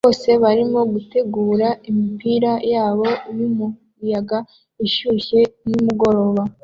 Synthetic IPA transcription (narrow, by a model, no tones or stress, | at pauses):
oːse̞βaɾimo̞ɡute̞ɡuːɾaimipiːɾajaːβo̞iɾimu | jaɡa | iʃuːçe̞numuɡo̞ɾo̞βa